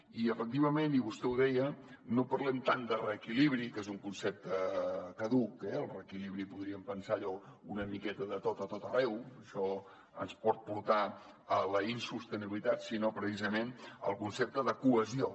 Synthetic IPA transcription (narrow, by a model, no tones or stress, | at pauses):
iəfək̚t̪iβəmeniβust̪ɛwðɛjə | nopəɾlɛmt̪and̪ərəːkiliβ̞ɾikezuŋkunsɛp̚t̪əkəðukɛəlˠrəːkiliβɾipuðɾiəmpənsaːʎɔunəmikɛt̪əðət̪ot̪ət̪ot̪ərɛwʃɔ | ənspɔt̪̚puɾt̪a | ələinsust̪əniβilit̪at̪sinopɾəsizəmenə̰lˠkunsɛp̚t̪əðəkuəzio